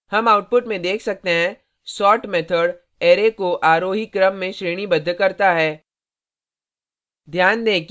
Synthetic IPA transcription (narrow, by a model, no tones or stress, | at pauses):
hɐmaːʊʈ̚pʊʈmẽd̪eːkʰsɐk̚t̪eɦɛ̃ | sɔːʈmɛt̪ʰəɽ | eːɾekoʔaːɾoːɦikɾəmːẽʃɾeːɽ̃ibɐd̪ʱːkɐɾt̪aɦɛː | d̪ʱjaːnd̪ẽːk